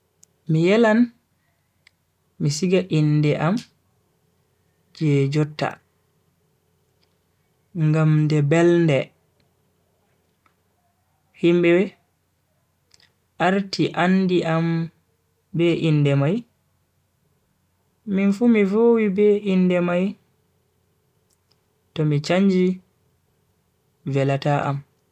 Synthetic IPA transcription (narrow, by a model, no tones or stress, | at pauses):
mijɛlan | misiɡaʔinːdɛʔam | d͡ʒɛd͡ʒɔtːa̰ | ŋɡamdɛbɛlndɛ | himbɛwɛ | ʔaɾtʰiʔandiʔam | bɛʔinːdɛmaj | minfumivoːwibɛindɛmaj | tɔmit͡ʃaɲd͡ʒi | vɛlataʔa̰m